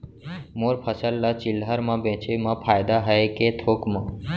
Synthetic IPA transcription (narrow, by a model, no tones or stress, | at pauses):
moːɾpʰəsəlːat͡ʃɪlɦəɾmãbẽt͡ʃemãpʰaːjd̪aɦəeket̪ʰoːkmã